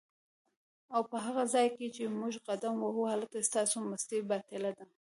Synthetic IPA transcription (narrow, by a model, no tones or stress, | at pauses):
awpəɦaɣazɑjket͡ʃemuʒɣad̪amwaɦuhalt̪ast̪ɑsoməst̪ebat̪ɪlad̪a